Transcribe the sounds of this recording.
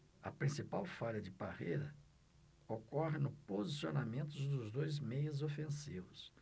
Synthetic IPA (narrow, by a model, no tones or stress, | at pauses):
ɐ̰pɾĩsipawfaʎɐd͡ʒɪbahejɾɐ | okɔɦɪnʊpozisionamẽnt̪ʊd̪ʊzd̪ojzmejʊzofẽsivʊs